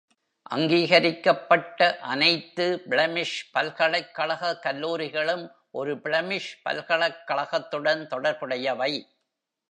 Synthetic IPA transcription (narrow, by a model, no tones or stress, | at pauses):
ʔɐ̰ŋɡiːɣɐɾɪkːɐpːɐʈːɐʔɐnɐɪt̪ːɯbɪɭɐmɪʂpɐlɣɐɭɐɪkːɐɭɐɣɐkːɐlːuːɾɪɣɐɭɯm | ʔɔɾɯbɪɭɐmɪʂpɐ̰lkɐɭɐkːɐɭɐɣɐt̪ːɯɽɐnt̪ɔɽɐɾpɯɽɐjɐʋɐɪ